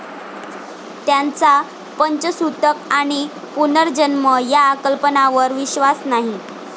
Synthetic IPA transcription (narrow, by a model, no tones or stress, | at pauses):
t̪jant͡sa | pəɲt͡ɕəsut̪əkaɽ̃i | punəɾd͡ʑənməjaːkəlpənaʋəɾʋiɕʋasnaɦi